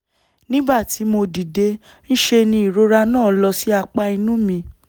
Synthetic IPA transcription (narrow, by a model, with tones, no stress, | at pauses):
nĩ˦ba˦˨ti˨˦mo˧di˨de˨˦ | n̩˦ʃe˧nĩ˧i˨ɾo˧ɾa˧nãː˦˨˦lɔ˧si˦a˧k͡pa˦˧i˧nũ˦mĩ˧